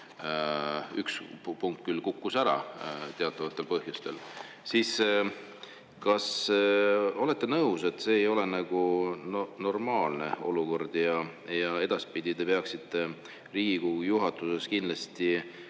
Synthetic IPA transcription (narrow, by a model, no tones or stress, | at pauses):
ykspuŋkt̪̚ˑkylkukːusæɾɑ̰t̪e̞ɑt̪ːˑɑvɑt̪ːˑelpɤhjust̪e̞l | siːs | kɑs | o̞le̞t̪ːe̞nɤuse̞t̪ːˑse̞ːjo̞le̞nɑɡ̥unno̞rmɑːlne̞o̞luko̞rd̪̥jɑjɑe̞d̪̥ɑspid̪̥it̪e̞peɑksit̪ːˑe̞ | riːɡikujuɦɑt̪ːˑuse̞skind̪lɑst̪i